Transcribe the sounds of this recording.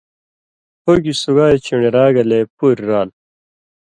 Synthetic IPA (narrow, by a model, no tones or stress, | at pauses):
hoɡisuɡaːet͡ɕiɳeɾaːɡɐlepuɾɾaːl